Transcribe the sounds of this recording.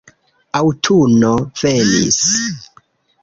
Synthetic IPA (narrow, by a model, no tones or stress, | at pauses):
awtʰunofenḭs